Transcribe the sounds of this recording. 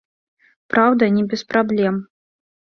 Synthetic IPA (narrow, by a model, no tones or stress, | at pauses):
pɾawd̪ɐnʲɛbʲɛspɾablʲɛm